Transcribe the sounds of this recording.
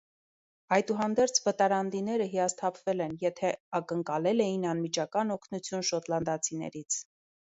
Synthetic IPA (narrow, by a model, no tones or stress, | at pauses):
ɑjt̪uɦɑnd̪ɛɾt͡sʰvət̪ɑɾɑnd̪inɛɾəɦiɑst̪ʰɑpʰvɛlɛnjɛt̪ʰɛɑkəŋkɑlɛlɛjinɑnmit͡ʃʰɑkɑnɔkʰnut͡sʰjunʃɔt̪lɑnd̪ɑt͡sʰinɛ̰ɾit͡sʰ